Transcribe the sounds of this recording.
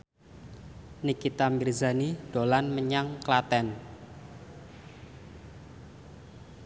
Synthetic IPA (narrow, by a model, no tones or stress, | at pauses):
nikit̪amirzanid̥olanməɲaŋklat̪ɛn